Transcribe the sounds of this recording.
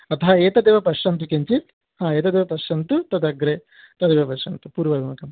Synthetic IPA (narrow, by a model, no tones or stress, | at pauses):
ɐt̪ʰɐɦɐeːt̪ɐd̪eːʋɐpɐʂɐnt̪ukeɲt͡ʃit̪ | hãːeːt̪ɐd̪eːʋɐpɐʂɐnt̪ut̪ɐd̪ɐɡɾeː | t̪ɐd̪eːʋɐpɐʂɐnt̪upuːɾʋɐːd̪ɐmɐkɐm